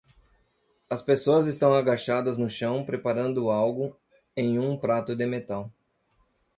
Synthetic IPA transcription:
ɐspesoɐzɪst̪ɐ̃w̃aɡaʃad̪ɐznʊʃɐ̃w̃pɾepaɾɐ̃nd̪ʊawɡʊ | ẽj̃ũpɾat̪ʊd̪ɪmet̪aw

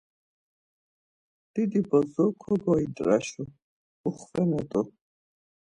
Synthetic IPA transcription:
d̪̥id̪ibɔzɔkʰɔɡɔid̪ʼɾa̰ʃu | uχvɛnɛt̪ʼu

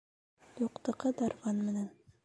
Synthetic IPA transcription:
j̪uqt̪ɤ̆qɤd̪ɑɾʁɑnmɘ̆næn

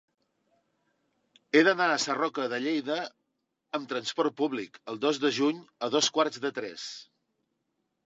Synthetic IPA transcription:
eðənaəsərɔkəðəʎejðəː | mt̪ɾənspɔrt̪̚puβlikəlˠd̪ozðəʒuɲəðoskwaɾzd̪ət̪ɾɛ̰s

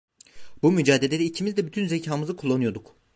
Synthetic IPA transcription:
bumyd͡ʒaːd̪elʲeɛicʰimizd̪ɛbyt̪ʰynzecʰaːmɯzɯkʰulˠːanujo̞d̪uk

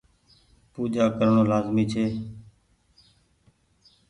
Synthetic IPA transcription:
puːd͡ʒaːkəɾɳõːlaːzmiːt͡ʃʰeː

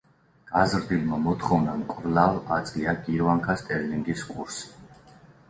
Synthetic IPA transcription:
azɾd̪ilmamɔt̪ʰχɔvnamkʼvlavat̪sʼɡiaɡiɾvaŋkʰast̪ʼɛɾliŋɡiskʼuɾsi̥

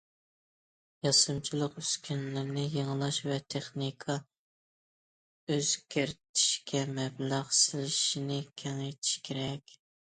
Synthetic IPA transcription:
jɑsɨmt͡ʃʰilˠəqyskʲʰynlɪɾnɪjeŋlˠɑʃvɛt̪ʰeχnikʰɑ | øz̥kʲʰeɾt̪ʰɪ̥ʃkʲʰɛmɛblɑχsɪlɪʃinɪkʲʰɛŋet̪ʰɪ̥ʃkʲʰeɾɛkʲ

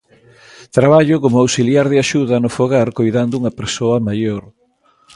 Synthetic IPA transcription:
t̪ɾaβaʎʊkomʊawsiljaɾðɪaʃuðɐnʊfoɣaɾkojðand̪ʊuŋɐpeɾsoɐmajoɾ

